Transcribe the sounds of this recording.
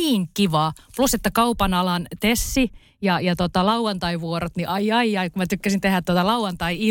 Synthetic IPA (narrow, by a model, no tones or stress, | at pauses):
iːŋkiʋɑːpluset̪ːækɑupɑnɑlɑnt̪esːi | jɑjɑt̪ot̪ɑlɑuɑnt̪ɑiʋʋuoɾot̪niʔɑiɑiɑikumæt̪ykːæsint̪ehæt̪t̪ːuot̪ɑlɑuɑnt̪ɑii